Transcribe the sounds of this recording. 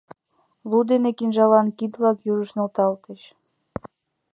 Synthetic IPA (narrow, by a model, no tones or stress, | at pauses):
lud̪enekinʒɑlɑnkid̪βlɑkjuʒəʃnŏlt̪ɑlt̪eɕ